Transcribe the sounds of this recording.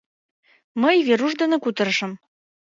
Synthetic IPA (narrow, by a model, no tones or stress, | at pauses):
məjveɾuʃd̪ə̆nĕkut̪ɤ̆ɾə̆ʃə̆m